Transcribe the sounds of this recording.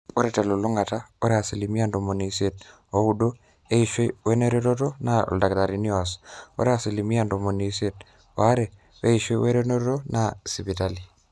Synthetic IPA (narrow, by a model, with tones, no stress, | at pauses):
o˦ɾe˦te˨lo˨lu˦ŋɡa˨ta˦o˦ɾe˦a˨sili˨mi˦ando˨mo˨ni˨set̚ | o˦udo˦ | e˦iʃwe˦we˦ne˦ɾeto˦to˦na̰˨lda˨ktaɾini˦aso̰˦ɾe˦a˨si˨li˨mi˦a˨ndo˨mo˨ni˨sje˨t̚ | wa˦ɾe˨ | βe˦i˨ʃwe˦we˦ɾeno˦to˦nasipitali˨